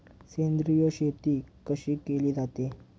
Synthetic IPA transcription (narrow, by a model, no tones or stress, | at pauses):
send̪ɾijəɕet̪iːkəɕiːkeliːd͡zat̪e